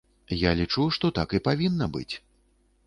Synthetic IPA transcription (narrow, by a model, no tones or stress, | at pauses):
jalʲit͡ʂuʂt̪ɔt̪akipavʲinːɐbɨ̰t͡sʲ